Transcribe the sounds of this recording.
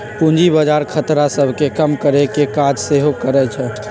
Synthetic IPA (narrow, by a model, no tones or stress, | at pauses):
pũnd͡ʒibəd͡ʒaːɾkʰət̪ɾasəbʱkekəmkəɾekekaːd͡ʒseɦokəɾɛt͡ʃʰɛː